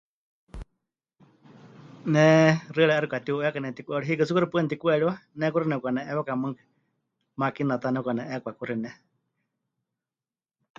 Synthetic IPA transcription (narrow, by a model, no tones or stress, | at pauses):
nɛ̃rɨɺɛaɾikʷat̪iuɛkanɛ̃t̪ikʷɛɺiɦikɨsukuɾipʷnɛt̪ikʷuɛɺiwanɛkuɾinɛkʷanɛʔɛβakamɨŋkɨ̥ | makinat̪anɛkʷanɛ̃ʔɛkʷakuɾinɛ